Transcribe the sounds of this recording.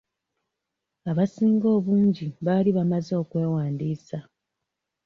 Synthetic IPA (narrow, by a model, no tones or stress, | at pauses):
aβasiːŋɡo̞ːβuːɲɟiβaːliβamazoːkwe̞ːwaːndiːsa